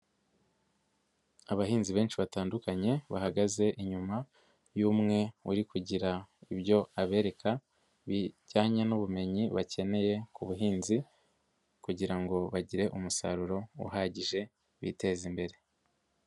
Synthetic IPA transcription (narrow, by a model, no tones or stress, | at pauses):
aβahiːnziβe̞ːnt͡ʃiβataːndukaɲe̞βahaɡaze̞ʔiɲuma | juːmŋe̞uɾikuɟiɾaiβjo̞aβe̞ːɾe̞kʰa | βiɟaːɲanuβume̞ɲiβace̞ne̞je̞kuβuɦiːnzi | kuɟiɾaŋɡo̞βaɟiɾe̞ʔumusa̰ɾuɾo̞ṵɦaːɟiʒe̞ | βḭte̞ːzimbe̞ɾe̞